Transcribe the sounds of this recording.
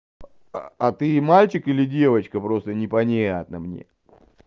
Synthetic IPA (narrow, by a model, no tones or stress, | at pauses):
at̪ɨmalʲt͡ɕɪkɨlʲɪdʲe̞vət͡ɕkəpɾo̞st̪ənʲɪpɐnʲeɐt̪nəmnʲe̞̰